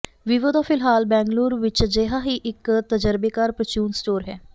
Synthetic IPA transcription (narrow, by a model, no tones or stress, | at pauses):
ʋɪʋod̪aːfʰɪlɦaːlbɛ̃ːŋɡluːɾʋɪt͡ʃd͡ʒeːɦaːɦiːʔɪkt̪əd͡ʒəɾbeːkaːɾpɾət͡ʃuːnsʈoːɾɦɛː